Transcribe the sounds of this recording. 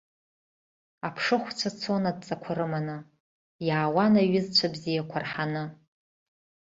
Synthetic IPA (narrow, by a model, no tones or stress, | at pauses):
apʰʂɨχʷt͡sʷʰat͡sʰonad̚t͡sʼakʷʰaɾɨmanɨ | jaːwanaɥɪzt͡ɕʷʰabzijakʷʰarħanɨ